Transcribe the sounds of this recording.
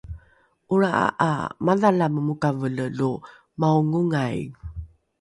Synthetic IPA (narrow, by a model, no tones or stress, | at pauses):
ʔuɾaʔa̰ʔa̰maðalaməmukavələlu | mauŋuŋaj